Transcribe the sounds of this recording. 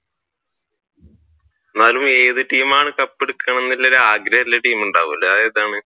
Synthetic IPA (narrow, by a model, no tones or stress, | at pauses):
enːaːlume̞ːðɨʈiːmaːɳɨkɐpːeɽukːɐɳɐnːilːɐoɾeaːɡɾɐhɐt̪ilːɐʈiːmuɳɖa̰ːʋulɐɐðeːðaːɳɨ